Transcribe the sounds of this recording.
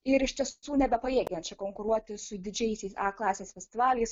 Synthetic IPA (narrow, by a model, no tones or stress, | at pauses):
ɪɾɪʃt̪ʲiɛsuːnʲɛbʲɛpɐeːɡʲɛnt͡ʃʲɛkoːŋkʊɾuɔt̪ʲɪsʊd̪ʲɪd͡ʒʲɛɪsʲɛɪsɑːklˠɑːsʲeːsfʲɛsʲt̪ʲɪʋɑːlʲɛɪs